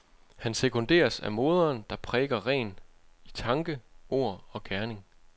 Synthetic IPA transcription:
hænsekʰo̽nd̥e̝̰ːɐsæ̰mo̝ːð̞ˠɐːnd̥ɑ̈pʰʁɛːɡ̥ɐʁɛ̰ːnit͡sʰɑ̈ŋɡ̥əo̝ɐ̰ɒ̽ɡ̥æɐne̝ŋ

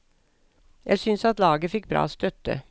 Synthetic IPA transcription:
jʔæɪsʏnsɑt̪lɑːɡəfɪk̚ːbɾɑ̰ːoːst̪œt̪ə̰

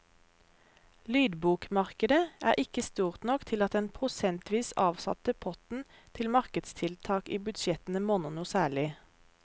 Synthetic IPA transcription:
lyːd̪buːkmɑʁkəd̪əæːʁʔɪkəst̪uːʁt̪nɔkt̪ʰɪlɑt̪̚d̪ɛnpʰʁʊsɛnt̪ʰʋiːsɑːʋsɑ̰t̪əpʰɔt̪n̩ | t̪ʰɪlmɑʁkəd̪st̪ʰɪlt̪ʰɑːkiːbʉd̪ʃɛt̪n̩əmoːnənuːsæːɭɪ

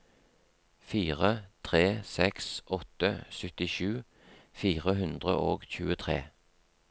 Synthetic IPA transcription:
fiːʁət̪ʰʁeːsɛksʔɔt̪əsœt̪ɪʃʉː | fiːʁəɦʉnd̪ʁə̰ʔoːɡçʉːət̪ʰʁḛː

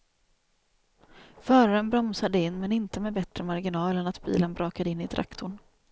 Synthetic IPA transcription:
fœːɾaɾənbɾɔmsad̪əɪnːmɛnɪnt̪əmɛbɛt̪ɾəmaɾɡɪnɑːlənat̪bḭːlənbɾʔɑːkad̪əɪnːɪd̪ɾa̰kt̪ʰʊɳ

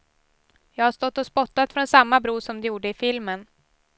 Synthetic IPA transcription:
jɑːɡhaʂt̪ɔt̪ːɔspɔt̪ːat̪fɾɔnsamːabɾuːʂɔmd̪ɛjuːɖəɪfɪlmən

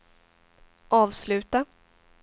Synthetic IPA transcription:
ʔɑːvslʉ̟ːt̪a

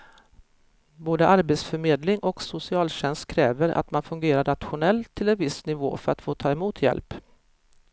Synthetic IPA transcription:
boːd̪əʔaɾbet̪sfœɾmeːd̪lɪŋʔɔksʊsɪɑːlɕɛnst̪̚kʰɾɛːvəɾʔa̰t̪manfɵŋɡeːɾaɾɳat̪ɧʊnɛlt̪ʰːɪlɛnvɪsnɪvo̰ːfœɾa̰t̪foːt̪ʰɑːɛmuːt̪ʰjɛ̰lp

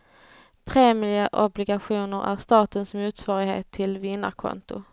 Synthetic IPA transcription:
pʰɾeːməʔɔblɪɡaɧuːnəɾæ̰ɾst̪ɑːt̪ənsmuːt̪svɑːɾɪɡhḛːt̪ʰːɪlvɪnːa̰ɾkʰɔ̰nt̪ʊ

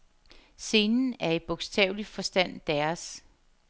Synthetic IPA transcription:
se̝ːnn̩æɐe̝d̥̚b̥oɡ̥sd̥ʰɛ̰ʊlifɒ̽sd̥æn̰d̥æɐs

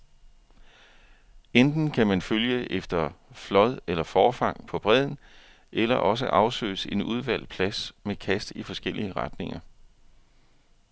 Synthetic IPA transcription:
end̥n̩kʰæmænføljəʔefd̥ɐflɒ̽ðˠelɐfɒːfɑ̈ŋ̰pʰɒ̽b̥ʁɛð̞̰ˠn̩ | ʔelɐʔɒ̽s̬əʔɑ̈ʊsø̰ːɪse̝nuð̞ˠʋæl̰pʰlæsmekʰæsd̥ifɒ̽sɡ̥el̰iəʁɑd̥ne̝ŋɐ

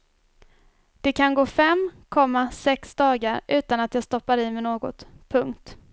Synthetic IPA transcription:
d̪̥ɛkʰanɡoːfɛmkʰɔmːasɛksd̪ɑːɡaɾʔʉ̟ːt̪anat̪jɑːɡst̪ɔpːaɾɪmɛnoːɡɔ̰t̪pʰɵŋkt̪

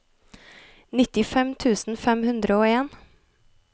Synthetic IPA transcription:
nɪt̪ɪfɛmt̪ʰʉːsn̩fɛmhʉnd̪ɾəoːeːn

